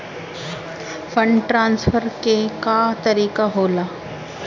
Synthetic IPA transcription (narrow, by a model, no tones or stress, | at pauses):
fəɳʈɾansfəɾkekat̪əɾiːkaɦola